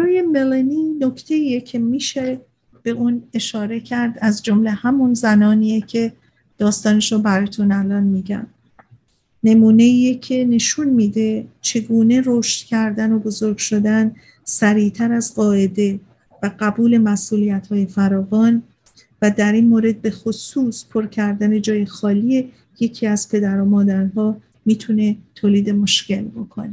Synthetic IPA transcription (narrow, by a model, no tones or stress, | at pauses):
ɾɔːjemelenino̞cʰt̪ʰe̞iːjecʰe̞miːʃe̞ | b̥e̞ʔuːne̞ʃɒːɾe̞cʰæɾd̪æzd͡ʒomle̞hæmunzænɒːniːjecʰe̞ | d̪̥ɒːst̪ɒːneʃobæɾɒːjt̪ʰunælɒnmiːɟæ̰m | ne̞muːne̞iːjecʰe̞ne̞ʃunmiːd̪e̞t͡ʃʰe̞ɡuːne̞roʃt̪cʰæɾd̪æno̞bo̞zoɾɡʃo̞d̪æn | sæɾiːt̪ʰæɾæzɢɒːʔe̞d̪e̞ | væɢæbuːle̞mæsʔuːlijæt̪hɒːje̞fæɾɒːvɒːn | væd̪æɾinmoːɾe̞d̪̚be̞xosuːspʰoɾcʰæɾd̪æne̞d͡ʒɒːje̞xɒːlie | je̞cʰiːæz̥pʰe̞d̪æɾɔːmɒːd̪æɾɦɒː | miːt̪ʰune̞t̪ʰoːliːd̪e̞mo̞ʃce̞lbo̞kʰone